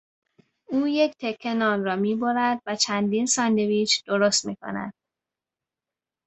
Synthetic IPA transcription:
uːjecʰt̪ʰe̞kʰːe̞nɒːnrɒːmiːboɾæd̪væt͡ʃʰænd̪iːnsɒːnd̪e̞viːt͡ʃʰd̪̥o̞ɾost̪mḭːkʰo̞̰næ̰d̪̥̚

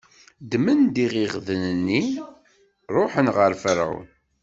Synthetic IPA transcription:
d̪mənd̪iʁiʁðənənːi | ɾˤoħənʁəɾfəɾa̰w̰n

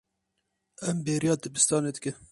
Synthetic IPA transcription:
ɛmbeːɾijɑːd̪ɨbɨst̪ɑːneːd̪ɨkɨ

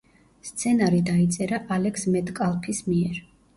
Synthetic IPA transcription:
st̪sʰɛnaɾid̪ait̪sʼɛɾaʔalɛksmɛt̪ʼkʼalˠpʰismiɛɾ

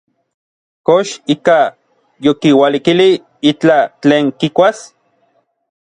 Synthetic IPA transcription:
koʃika | jokiwalikili | it͡ɬat͡ɬeːŋkikʷas

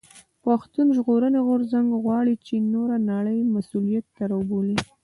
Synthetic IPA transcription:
paxt̪unʒɣoɾəneɣʊɾzaŋɡɣwɑɽit͡ʃenoɾanaɽəjmasulijat̪ːaɾauboli

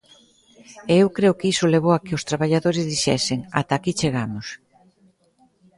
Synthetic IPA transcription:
eewkɾeʊkɪisoleβ̞owakɪʊst̪ɾaβaʎaðoɾɪzðiʃɛsɪŋa̰t̪akit͡ʃeɣamʊs

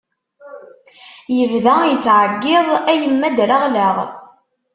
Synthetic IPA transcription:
jəvðæjət͡sːʕəɡːɪðˤæjəmːæd̪ɾaʁlæʁ

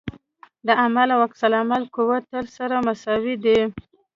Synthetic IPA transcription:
d̪əamalawaksalamalkuwat̪əlsaɾamasɑwid̪i

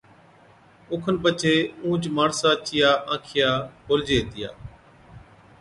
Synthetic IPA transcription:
ʊːkʰənpət͡ʃʰeːũːt͡ʃmaːɳsaːt͡ʃɪjaːʔãːkʰɪjaːkoːld͡ʒeːt̪ɪja̰ː

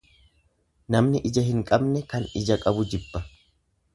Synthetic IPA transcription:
nɐmnɪʔɪd͡ʒɐɦɪŋkʼɐbnɛkɐnɪd͡ʒɐkʼɐbʊd͡ʒɪbːɐ

